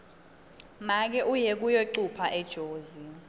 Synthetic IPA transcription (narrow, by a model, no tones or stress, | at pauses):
mak̬ɛʔujek̬ujoǀupʰaʔɛd̥ʒ̥ʱoːzi